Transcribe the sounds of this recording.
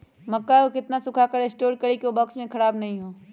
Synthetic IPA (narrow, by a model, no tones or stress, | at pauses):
mɐkːaokɪt̪nasʊkʰakəɾesʈoːɾɖkɐɾikiobɐksmẽkʰɐɾaːbnɐɦĩɦoː